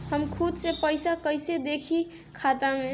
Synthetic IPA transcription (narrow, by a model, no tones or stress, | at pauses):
ɦəmkʰud̪sepəɪsakəjsed̪ekʰi | kʰat̪ame